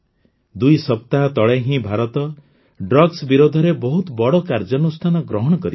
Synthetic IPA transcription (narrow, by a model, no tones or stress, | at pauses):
d̪ujsɔp̚t̪aɦɔt̪ɔɭeɦĩbʱaɾɔt̪ɔ | ɖɾɔɡsbiɾod̪ʱɔɾebɔɦut̪ɔbɔɽɔkaɾd͡ʒɔnust̪ʰanɔɡɾɔɦɔɽ̃ɔkɔɾi